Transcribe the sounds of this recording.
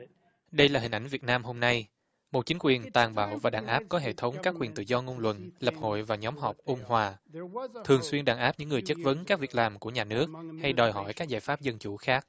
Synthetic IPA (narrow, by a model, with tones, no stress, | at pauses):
ɗə˧jlaː˨˩ï̟˨˩ʔa˧˩jŋ̟vi˨˩ət̚naː˧mɦo˧mna˧j | mo˨˩t̚t͡ɕi˨˦ŋ̟kwi˨˩ənt̪aː˨˩ŋɓa̰ː˧˩˨wvaː˨˩ɗaː˨˩ŋʔaː˦˥p̚kɔ˨˦ɦḛ˧˨t̪ʰə˨˦wŋ͡mkaː˦˥kːwi˨˩ənt̪ɨ̰˧˨zɔ˧ŋo˧nlwə̰˧˨nlə˨˩p̚ho̰˧˨jvaː˨˩ɲɔ˨˦mɦɔ˨˩wk͡p̚ʔu˧ŋ͡mhwaː˨˩t̪ʰɨ˨˩əŋswi˧ənɗaː˨˩ŋʔaː˦˥p̚ɲɨ̰˧˥ŋːɨ˨˩əjt͡ɕə˦˥t̚və˨˦nkaː˦˥k̚vi˨˩ək̚laː˨˩mku˧˩əɲaː˨˩nɨ˦˥ək̚ha˧jɗɔ˨˩jɦɔ̰˧˨jkaː˦˥k̚zaː˧˩jfaː˦˥p̚zə˧nt͡ɕu˧˩xaː˦˥k̚